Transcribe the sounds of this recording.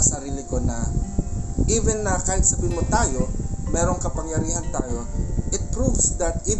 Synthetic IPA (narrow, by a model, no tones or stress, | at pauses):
sɐɾiːlɪkonɐ | ʔivɛnːɐkaːhɪt̪̚sɐbiːmot̪aːjomɛɾoŋkɐpɐŋjɐɾiːhɐnt̪aːjo̞ʔɪt̪̚pɾuvsd̪ɐt̪i